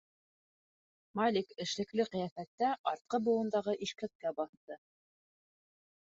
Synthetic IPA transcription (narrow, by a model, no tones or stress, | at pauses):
malʲikɘ̆ʃlɘ̆klɘqijɑθæt̪ːæʔɑɾt̪̚qɤbŭɤ̆nd̪ɑʁɤʔiʃkæk̪̚kæbɑθt̪ɤ